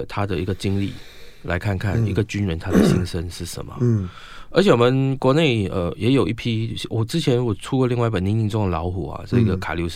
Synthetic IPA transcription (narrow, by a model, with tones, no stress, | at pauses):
t̪ʰa˦d̪ə˨i˧˥ɡə˨˩t͡ɕi˥ŋlḭ˥˩ | la˧˥ɪkʰa˥˧nkʰa˥˩ni˧˥ɡə˨t͡ɕy˥nɻə˧˦nt̪ʰa˥də˨ɕi˥nʂə˦nʂɻ̩˥˩ʂə̰˧˦nmə̰˨ | ə˧˥t͡ɕʰjwɔ˨˩mə˨˦nkwɔ˧˥˦ne˥˩ɪə̰˨˩jɛ˧˥jo˨ʊʔi˥˩pʰi˥wʔɔ˨˩t͡sɻ̩˥t͡ɕʰjɛ˧˥nɻu˧˥ɡɔ˨˩ʈ͡ʂʰu˥kə˧˦li˥˧ŋwa˥˧ɪi˥pə˨˩ni˧˥ŋi˧˥nt͡so˥ŋd̪ə˨lɑ˧˥ʊxu˨˩˦ɐ̰˨ʈ͡ʂə˥˧i˧˥ɡə˨kʰa̰˨˩lju˧˥ʂ